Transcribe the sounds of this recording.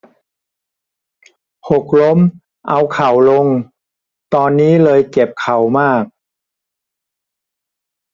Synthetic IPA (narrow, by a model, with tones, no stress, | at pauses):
ho˨˩k̚lo˦˥m | ʔa˧wkʰa˨˩wlo˧ŋ | t̪ɔː˧nːiː˦˥lɤː˧jke˨˩p̚kʰa˨˩wmaː˥˩k̚